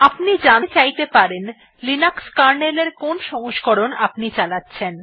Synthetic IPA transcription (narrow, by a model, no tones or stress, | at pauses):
apnid͡ʑanet͡ɕajt̪epaɾen | linakskaɾneleɾkonʃɔŋoʃɡoɾonapnit͡ɕalatːɕʰen